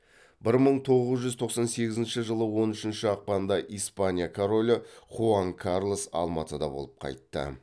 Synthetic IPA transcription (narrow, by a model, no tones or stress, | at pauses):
bɪɾməɴt̪ʰo̞ʁəzʒʏzt̪ʰo̞qsɑnse̞ɡʲɪzɪnʃɪʒəlˠəwo̞nʏʃɪnʃɪɑq̚pɑnnd̪ɑʔijspanʲijakʰoɾo̞lʲɪχuaŋkʰarlˠosɑ̰lˠmɑt̪əd̪ɑ̰bo̞̰lˠəp̚qʰɑ̰jt̪ːə̰